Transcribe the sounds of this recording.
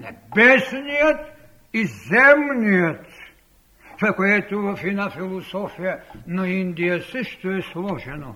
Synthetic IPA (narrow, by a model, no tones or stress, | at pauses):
nɛ̰bɛsniot̪ | izɛmniot̪ | sɛkoɛt̪uʋafinafilˠosofijanaind̪ijasɛʃt̪oɛslˠɔʒɛno